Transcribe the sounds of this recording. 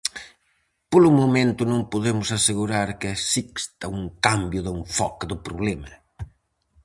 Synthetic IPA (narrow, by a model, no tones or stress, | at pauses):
polʊmomẽnt̪ʊnõŋpoðemʊsaseɣuɾaɾkɪasikst̪ɐuŋkambjʊðɪɱfɔkd̪ʊpɾoβlɛmɐ̰